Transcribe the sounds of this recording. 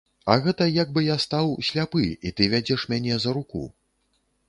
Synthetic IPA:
ɐɣɛt̪ɐjaɡ̚bɨjast̪awsʲlʲapɨit̪ɨvʲad͡zʲɛʂmʲanʲɛzɐɾukṵ

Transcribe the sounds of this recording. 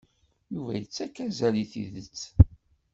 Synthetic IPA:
juvæ̰jət͡sːækːæzæliθḭðət͡sː

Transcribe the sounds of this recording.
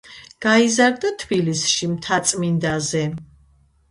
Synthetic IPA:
ɡ̥aizaɾd̪at̪ʰbilisʃimt̪ʰat̪sʼmind̪azɛ

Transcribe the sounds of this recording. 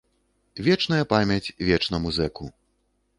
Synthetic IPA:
vʲɛt͡ʂnɐjɐpamʲɐt͡sʲvʲɛt͡ʂnɐmuzɛku

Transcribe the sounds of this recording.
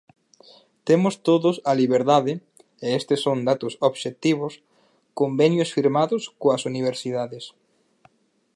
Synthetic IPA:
t̪emʊst̪oðʊsɐliβeɾðaðɪ | eest̪esoŋd̪at̪ʊsoβʃet̪iβ̞ʊs | kombenjosfiɾmaðʊskoɐsuniβ̞eɾsiðaðes

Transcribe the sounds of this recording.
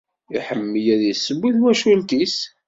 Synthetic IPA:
iħəmːəjæðəsːəbːiðwæʃult̪is

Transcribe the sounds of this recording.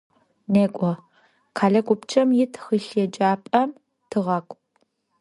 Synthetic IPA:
neːkʷʼɔ | kʰaːɮɐkʷʼʊpt͡ʃʰʼɐmjɪtʰxəɬjɛd͡ʒaːpʼɐm | tʰɨʁɐkʷʼ

